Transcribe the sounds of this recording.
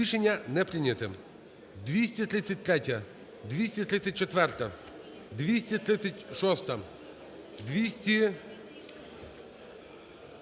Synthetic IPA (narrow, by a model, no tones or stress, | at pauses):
iʃenʲːɐnɛpɾɪnʲɐt̪ɪm | d̪ʋʲisʲtʲit̪ɾɪsʲːɐtʲt̪ɾʲɛtʲɐ | d̪ʋʲisʲtʲɐt̪ɾɪt̪sʲɐt̚ʲt͡ʃɔt̪ʋɛrt̪ɐ | d̪ʋʲisʲtʲit̪ɾɪt̪t͡sʲːɐtʲʃɔst̪ɐm | d̪ʋʲisʲtʲi